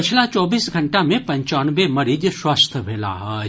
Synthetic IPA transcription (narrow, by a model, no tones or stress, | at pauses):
pɪt͡ʃʰlat͡ʃɔːbiːsɡʱɐɳʈamẽpɐ̃ɲt͡ʃaːnbemɐɾid̪swast̪ʰəbʱeːla̰ɦɛː